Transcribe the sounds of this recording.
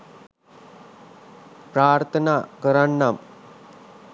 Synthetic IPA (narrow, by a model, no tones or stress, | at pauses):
pɾaːɾt̪ʰɐnakəɾaɳːam